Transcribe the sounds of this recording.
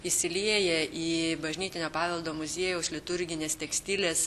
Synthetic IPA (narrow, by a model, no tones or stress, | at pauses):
isʲɪlʲiɛjɛʔiːbɐʒʲnʲiːt̪ʲɪnʲoːpɑːʋʲɛlˠd̪oːmʊzʲiɛjɛʊslʲɪt̪ʊɾʲɡʲɪnʲeːst̪ʲɛksʲt̪ʲilʲeːs